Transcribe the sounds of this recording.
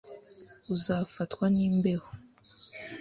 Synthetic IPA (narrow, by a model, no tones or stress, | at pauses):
uzafatwaniːmbe̞ho